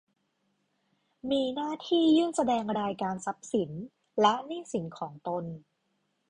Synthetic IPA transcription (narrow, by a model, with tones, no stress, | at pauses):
miː˧naː˥˩t̪ʰiː˥˩jɯː˥˩ŋsa˧dɛː˧ŋɾaː˧jkaː˧nsa˦˥p̚si˩˦n | lɛ˦˥niː˥˩si˩˦nkʰɔː˩˦ŋt̪o˧n